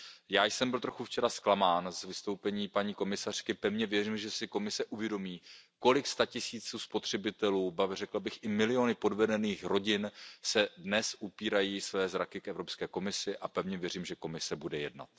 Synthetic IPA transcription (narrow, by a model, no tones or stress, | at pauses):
jaːjsɛmbɪlt̪ɾo̞xuft͡ʃɛɾasklamaːnzvɪst̪o̞wpɛɲiːpaɲiːko̞mɪsar̝̥kɪpɛvɲɛvjɛriːmʒɛsɪko̞mɪsɛʔuvjɛdo̞miːko̞lɪkst̪acɪsiːt͡suːspot̪r̝̥ɛbɪt̪ɛluːbarɛkl̩bɪxʔɪmɪlɪo̞nɪpo̞dvɛdɛniːxɾo̞ɟɪnsɛdnɛsʔupiːɾajiːsvɛːzɾakɪkɛvɾopskɛːko̞mɪsɪʔapɛvɲɛvjɛriːmʒɛko̞mɪsɛbudɛjɛdna̰t̪̚